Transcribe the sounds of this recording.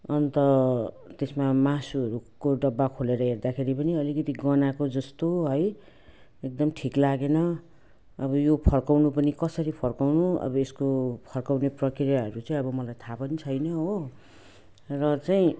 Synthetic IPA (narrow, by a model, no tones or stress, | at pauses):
ʌnt̪ʌ | t̪esmamasuɦʌɾukoɖʌbːakʰoleɾʌɦerd̪akʰeɾipʌniʌlikʌt̪iɡʌnakod͡zʌst̪oɦʌj | ek̚d̪ʌmʈʰiklaɡenʌ | ʌbʌjopʰʌrkawnupʌnikʌsʌɾipʰʌrkawnuʌ̰bʌeskopʰʌrkawneprʌkrijaɦʌɾut͡saĩʌbʌmʌlajt̪ʰapʌnit͡sʰʌjnʌɦo | rʌt͡sajĩ